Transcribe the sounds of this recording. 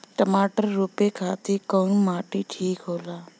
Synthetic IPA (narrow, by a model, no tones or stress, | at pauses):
ʈəmaːʈəɾːuːpekʰaːt̪ikɔːnmaːʈiʈʰiːkɦoːlaː